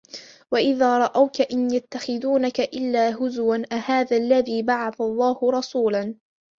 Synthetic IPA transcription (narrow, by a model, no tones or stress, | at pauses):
waʔɪðaːɾˤɑʔawkaʔɪnjat̪ːaxɪðuːnakaʔɪlːaːɦʊzwanʔahaːðaːlːaðiːbaʕaθalˤːɑːhʊɾˤɑsuːlan